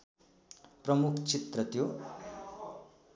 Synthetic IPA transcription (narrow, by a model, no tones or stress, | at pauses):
prʌmukʰt͡sit̪rʌt̪jo